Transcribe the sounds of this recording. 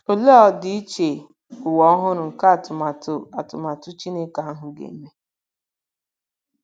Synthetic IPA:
o˨lo˦ɔ˦dɪ˦i˦t͡ʃe˨ | ʊ˨wɔ˨˦ɔ˦ɦʊ˦ɾʊ˨ŋ̩˨ka˦˨tʊ˨ma˨tʊ˦a˨tʊ˨ma˨tʊ˦t͡ʃi˦ne˦ka˦a˦ɦʊ˨ɡḛ˨m̩˦me˦

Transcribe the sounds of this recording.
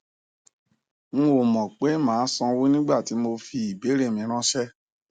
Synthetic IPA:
ñ̩˦o˦˨mɔ̃˨k͡pe˨˦mãː˨˦sɔ̃˧wu˦nĩ˦ɡ͡ba˦˨ti˨˦mo˧fi˧i˨be˨˦ɾe˦˨mĩ˧˦ɾ̃ã˦ʃɛ˦

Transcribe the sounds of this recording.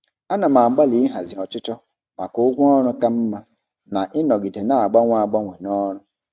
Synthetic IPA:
a˦na˨ma˨ŋ͡m̩˨ɡ͡ba˦li˨˦ɪ˦ɦa˨zɪ˨ɔ˨t͡ʃɪ˦tɔ˦ | ma̰˨kʊ˦ʊ˦ɡʷʊ˦ɔ˦ɾʊ˦ka˦m̩˦ma˦ | na˨ʔɪ˦nɔ˨ɡi˨te˨na˨a˨ɡ͡ba˦ŋʷ˦˨a˨ɡ͡ba˦ŋʷe˨nɔ˦ɾʊ˦

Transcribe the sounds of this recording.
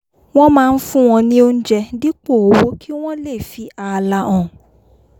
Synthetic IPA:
w̃ɔ̃˦mãː˦˧n̩˦fũ˦w̃ɔ̃˧nĩ˦o˦n̩˦d͡ʒɛ˧di˦k͡po˦˨wo˦kʰi˦w̃ɔ̃˦le˦˨fi˨a˨˧la˧ʔɔ̃˨

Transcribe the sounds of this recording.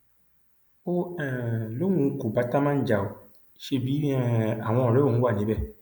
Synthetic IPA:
o˦ɛ̃˨lo˦ŋũ˨˦ku˨ba˨˦ta˦mã˦n̩˦d͡ʒa˨o˨ | ʃe˧˦˨bi˨˦ɛ˦a˨w̃ɔ̃˧ɔ˨ɾɛ˦o˦˨nũ˦wa˦˨nĩ˨˦bɛ˦˨

